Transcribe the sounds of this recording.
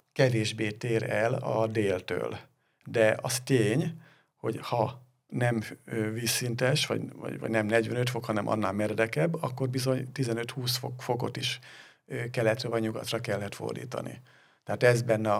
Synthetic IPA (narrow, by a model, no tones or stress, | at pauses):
kɛveːʒbeːt̪eːɾɛlɒ̰d̪eːlt̪ø̰ːl | d̪ɛʔɒ̰st̪eːɲ | ho̞̰ɟhɒ | nɛmøviːsːint̪ɛʃʋɒ̰ɟvɒ̰ɟvɒ̰ɟnɛmnɛɟʋɛnøt̪fo̞khɒnɛmʔɒ̰nːaːlmɛrd̪ɛkɛbːɒkːo̞rbizo̞ɲt̪izɛnøt̪huːsfokfoko̞̰t̪iʃ | kɛlɛt̪rɛvɒɲɲuɡɒ̰t̪rɒkɛlːɛt̪fo̰rd̪ḭːt̪ɒ̰nḭ | t̪ɛɦaːt̪ɛzbɛnːɛɒ